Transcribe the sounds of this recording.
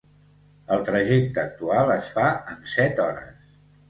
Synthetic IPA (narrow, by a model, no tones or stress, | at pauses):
əlˠt̪ɾəʒɛk̚t̪əːk̚t̪ualˠəsfaənsɛt̪ɔɾə̰s